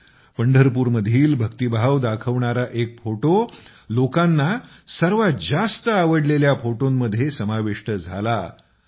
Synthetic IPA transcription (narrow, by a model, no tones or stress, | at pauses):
pəɳɖʱəɾp̬uːɾməd̪ʱiːlbʱəkt̪ibʱaʋd̪akʰəʋɳaɾaʔek̚foʈo | lokanːa | səɾʋad͡zast̪əaʋəɽleljafoʈomːəd̪ʱːjesəmaʋeʂʈəd͡zʱa̰la